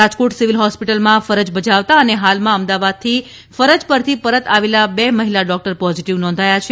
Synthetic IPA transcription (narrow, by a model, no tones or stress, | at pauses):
ad͡ʒkoʈsiʋilɦɔspiʈəlmãfəɾəd͡ʒbəd͡ʒaʋt̪aəneɦalmãəmd̪aʋad̪̚t̪ʰi | fəɾəd͡ʒpəɾt̪ʰipəɾət̪aʋelabɛməɦilaɖɔk̚ʈəɾpɔziʈiʋnɔ̃nd̪ʱajat͡ʃʰ